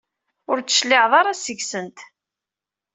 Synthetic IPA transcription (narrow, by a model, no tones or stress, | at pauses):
ʊɾt͡sːə̥ʃlːɪʕðˤɑɾˤæsəʝsənt̪